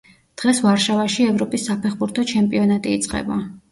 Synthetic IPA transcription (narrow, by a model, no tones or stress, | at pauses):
d̪̥ʁɛsvaɾʃavaʃiɛvɾɔpʼisːapʰɛχbuɾt̪ʰɔt͡ʃʰɛmpʼiɔnat̪ʼiːt̪sʼqʼɛ̰ba̰